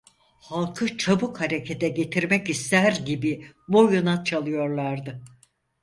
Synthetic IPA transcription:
halˠkʰɯt͡ʃʰabukhaɾecʰet̪ʰɛɟe̞t̪ʰiɾmɛcist̪ʰæɾɟibibojunat͡ʃʰalˠɯjo̞ɾlˠaɾd̪ɯ

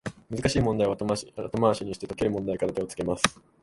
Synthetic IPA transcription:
mɯzɨkaɕiːmond̪aiβat̪omaβaɕiɲ̟iɕi̥t̪eo̞ke̞ɾɯ̟mõnd̪aikaɾat̪eot͡sɨ̥ke̞masɨ̥

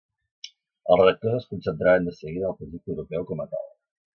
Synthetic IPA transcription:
əlˠreək̚t̪ozəskunsənt̪ɾaɾənd̪əsəɣiðəːlˠpɾəʒik̚t̪əwɾupɛwkɔmət̪a̰lˠ

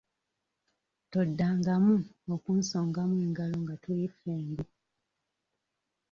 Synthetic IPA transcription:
todːaːŋɡamuokuːnsoːŋɡamueŋɡalo̞ŋɡatulifeːmbu

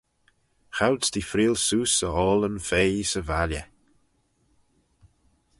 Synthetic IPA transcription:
xawdsd̪ifɾiːlsuːsəɔːlənfeːisəvalʲə

